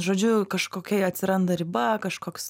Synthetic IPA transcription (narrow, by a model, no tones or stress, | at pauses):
ʒoːd͡ʒʲʊkɐʃkoːkʲɛɪɐt̪ʲsʲɪɾɐnd̪ɐɾʲɪbɐkɐʃkoːks